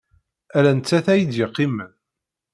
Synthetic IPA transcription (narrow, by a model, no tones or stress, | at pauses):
ælænt͡sːæθæjəd̪jɪqːimːæn